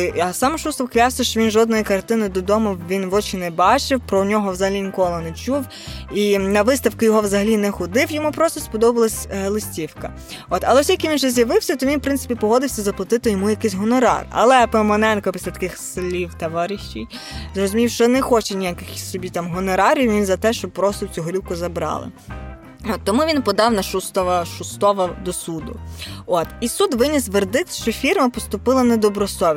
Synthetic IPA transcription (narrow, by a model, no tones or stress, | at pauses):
ɐsɑmʃust̪ɔwklʲɑsɐʃt͡ʃɔʋʲinʒɔd̪nɔjikɐrt̪ɪnɪd̪ɔd̪ɔmʊwʋʲinʋɔt͡ʃɪnɛbɑt͡ʃɪwpɾɔnʲɔɦɔʋzɐɦɐlʲinʲikɔlˠɔnɛt͡ʃuw | inɐʋɪst̪ɐwkʊjɔɦɔʋzɐɦɐlʲinɛxʊd̪ɪwjɔmupɾɔst̪ɔspɔd̪ɔbɐlˠɐsʲlˠɪsʲtʲiwkɐ | ɔt̪ɐlˠɛɔsʲjɐkʲiʋʲinʒɛzjɐʋɪwsʲɐt̪ɔʋʲinfpɾɪnɪ̥pʲipɔɦɔd̪ɪwsʲɐzɐplˠɐt̪ɪt̪ɪjɔmujɐkɪsʲɦɔnɔɾɑ̰rɐ̰lˠɛpɔmɐnɛnkɔpʲi̥slʲɐt̪ɐ̥kɪxsɪlʲiwt̪ɐʋɑɾʲiʃt͡ʃij | zrɔzʊmʲiwʃt͡ʃɔnɛxɔt͡ʃɛnʲijakɪxsɔbʲit̪ɑmɦɔnɔɾɑɾʲiwʲiinzɐt̪ɛʃt͡ʃɔb̚pɾɔst̪ɔwt͡sʲuɦɔɾʲiwkʊzɐbɾɑ̰lˠɪ̰ | ɔt̪ːɔmuʋʲinpɔd̪ɑwnɐʃust̪ɔʋɐʃust̪ɔʋɐd̪ɔsud̪ʊ̰ɔt̪isud̪ʋɪnʲisʋerd̪ɪt̪ʃt͡ʃɔfʲirmɐpɔst̪ʊpɪlˠɐnɛd̪ɔbɾɔsɔʋʲ